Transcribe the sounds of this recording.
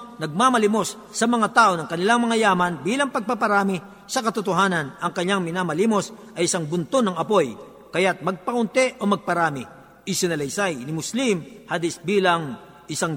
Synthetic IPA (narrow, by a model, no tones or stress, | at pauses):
nɐɡ̚mamɐlɪmo̞sːɐmɐŋat̪aːʔo̞nɐŋkɐnɪlaŋmɐŋajaːmɐnbiːlɐŋpɐɡ̚papɐɾaːmɪ | sɐkɐt̪ʊt̪oɦaːnɐnʔɐŋkɐɲːaŋmɪnamɐliːmo̞sʔɐjʔɪsaŋbʊnt̪onɐŋɐpo̞j | kɐjat̪̚mɐɡ̚pɐʔʊnt̪ɛʔo̞mɐɡ̚pɐɾaːmɪ | ʔɪsɪnɐlɐjsajnɪmʊslimhad̪ɪsbiːlɐŋ | ʔɪsaŋ